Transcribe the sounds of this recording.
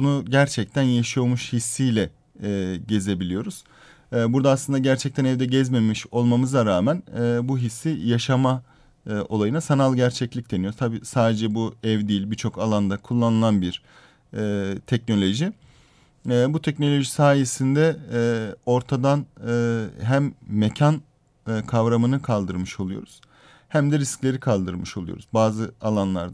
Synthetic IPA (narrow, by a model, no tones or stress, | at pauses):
bunuɟæɾt͡ʃʰɛc̚t̪ʰænjaʃjomuʃhisːijlʲɛː | ɟe̞ze̞bilʲijo̞ɾuz̥ | buɾd̪aːslˠɯnd̪aɟæɾt͡ʃʰɛct̪ʰænɛvd̪ɛɟɛzmemiʃo̞lˠmamɯzaɾaːmænːbuɦisːijaʃama | ʔo̞lˠajɯnasanalˠɟæɾt͡ʃʰɛclʲic̚d̪enijoɾzt̪ʰabiːsaːd̪e̞d͡ʒɛbuɛvd̪iːlʲbiɾt͡ʃʰo̞kalˠand̪akʰulˠːanɯlˠanbiɾ̥ | t̪ʰɛc̚no̞lʲo̞ʒi | but̪ʰɛcno̞lʲo̞ʒisaːje̞sind̪ɛ | o̞ɾt̪ʰad̪anː | ɦæmːecʰan | kʰavɾamɯnɯkʰalˠd̪ɯɾmɯʃo̞lˠujo̰ɾuz̥ | hæmd̪ɛɾisclʲe̞ɾikʰalˠd̪ɯɾmɯʃo̞lˠujo̰ɾuzbaːzɯalˠanlˠa̰ɾd̪